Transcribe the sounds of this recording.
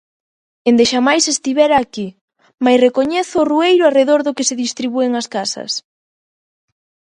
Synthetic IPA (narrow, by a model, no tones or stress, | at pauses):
end̪eʃamajsest̪iβɛɾaːki | majsrekoɲɛθʊːruejɾʊareðoɾðʊkɪseðist̪ɾiβueŋaskasɐ̰s